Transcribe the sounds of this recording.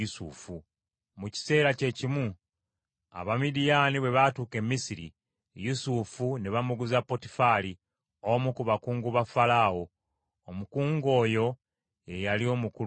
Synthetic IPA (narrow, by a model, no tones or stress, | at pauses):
usṵfu | muci̥se̞ːɾace̞cimu | a̰βamidijaniβwe̞βatuːke̞mːisiɾḭ | jusufuneβamuɡuzapːo̞ti̥fali | omukuβakuːŋɡuβafalaːwo̞ː | mukuːŋɡo̞ːjo̞ | e̞jalio̞ːmuku